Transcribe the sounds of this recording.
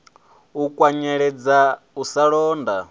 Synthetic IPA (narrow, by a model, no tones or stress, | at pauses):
ukʼwaɲɛɺɛd͡za | usaɺɔːnda